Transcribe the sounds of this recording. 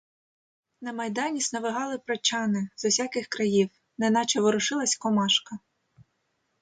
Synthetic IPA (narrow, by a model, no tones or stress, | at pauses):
nɐmɐjd̪ɑnʲisnɐʋɪɦɑlˠɪpɾɐt͡ʃɑnɪzɔwsʲakɪxkɾɐjiw | nɛnɑt͡ʃɔʋɔɾʊʃɪlˠɐsʲkɔmɑʃkɐ